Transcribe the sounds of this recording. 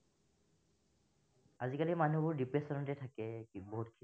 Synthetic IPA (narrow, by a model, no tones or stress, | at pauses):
azikalimanubɔɹdipɹesɔnɔtɛtʰakɛboɦutkʰi